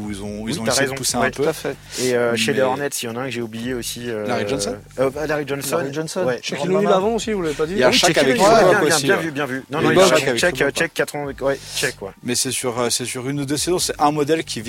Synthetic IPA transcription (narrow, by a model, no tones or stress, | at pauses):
uilzɔ̃ilzɔ̃aʁezɔ̃puseɛ̃ɛt̪pøt̪afɛ | eøʃʃeleɔʁnɛt̪sijɑ̃naɛ̃kʒeublijeosiølaʁiʒɔnsɔ | øbalaʁiʒɔnsaɔniʒɔnsɔnwɛʃaknnylavɑ̃osivulavepad̪ijaʃakavvɛkɛpãɔsɛ̃ijɛ̃vybjɛ̃vynɔ̃aʃakavɛkt͡ʃt͡ʃɛkːat̪χə̃wɛt͡ʃɛkwɛmɛsɛsyʁøsɛsyʁynud̪øsezɔ̃sɛɛ̃mɔd̪ɛlkʲʰiv